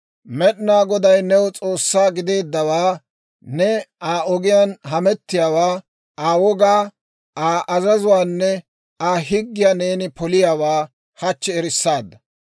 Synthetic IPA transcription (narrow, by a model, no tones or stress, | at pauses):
mɛɗɪnaːɡɔd̪ɐjnɛwt͡sʼo̞ːsːaːɡɪd̪e̞ːd̪ːɐwaː | nɛaːɔɡɪjaːnɦɐmɛt̪ːɪjaːwaː | aːwɔɡaː | aːʔɐzɐzʊwaːnːɛ | aːɦɪɡːɪjaːne̞ːnɪpɔlɪjaːwaː | hɐt͡ʃːɛɛɾɪsːaːd̪ːɐ